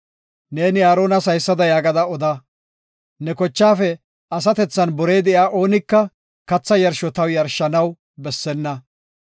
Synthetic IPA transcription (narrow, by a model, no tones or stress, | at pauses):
ne̞ːnɪjaːɾo̞ːnɐsɐjsːɐd̪ɐjaːɡɐd̪ɐɔd̪ɐ | nɛkɔt͡ʃːaːfɛ | ɐsɐt̪ɛt͡sːɐnbɔɾe̞ːd̪ɛʔjaːʔo̞ːnɪkːɐ | kɐt͡sːɐjɐɾʃɔt̪ɐwjɐɾʃːɐnɐw | bɛsːɛnːɐ